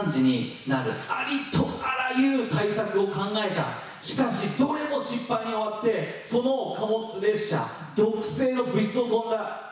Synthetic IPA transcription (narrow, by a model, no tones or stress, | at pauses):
ɲd͡ʑiɲ̟i | naɾɯ̟aɾʲit̪ʰoaɾajɯ̟ːt̪aisakɯo̞kãŋɡae̞t̪a̰ | ɕi̥kaɕid̪o̞ɾe̞mo̞ɕĩpːaiɲ̟io̞βat̪ːe̞so̞no̞kamo̞t͡sɨɾe̞ɕɕa̰ | d̪o̞kɯ̟̥se̞ːno̞bɯ̟̥so̞t̪õ̞nd̪a